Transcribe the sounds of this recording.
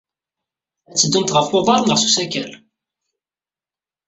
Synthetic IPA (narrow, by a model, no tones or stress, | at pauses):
æt͡sːəd̪ːunt̪ʁəfʊʁðɑɾˤnəʁsusækæl